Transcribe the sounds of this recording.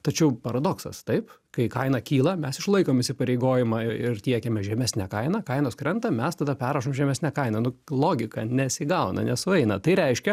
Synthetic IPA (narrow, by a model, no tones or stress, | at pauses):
t̪ɐt͡ʃʲɛʊpɐɾɐd̪oksɐ̰st̪ɐɪp | kɐɪkɐɪnɐkʲiːlˠɐmʲɛsɪʃlˠɐɪkoːmɪʃʲsʲɪpɐɾʲɛɪɡoːjɪmɐɪɪrt̪ʲiɛkʲɛmʲɛʒʲɛmʲæsʲnʲækɐɪnɐkɐɪnoːskɾʲɛnt̪ɐmʲɛst̪ɐd̪ɐpʲæːɾɐʃoːmʒʲɛmʲɛsʲnʲækɐɪnɐnʊlˠoːɡʲɪkɐnʲɛsʲɪɡɐʊnɐ̰nʲɛsʊɛɪnɐt̪ɐɪɾʲɛɪʃʲkʲɛ